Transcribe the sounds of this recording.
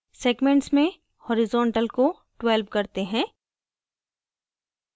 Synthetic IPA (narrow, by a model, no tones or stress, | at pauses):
seːɡmẽɳʈsmẽ | hɔːɾɪzɔːɳʈəlko | ɖwelbkɐɾt̪eɦɛ̃ː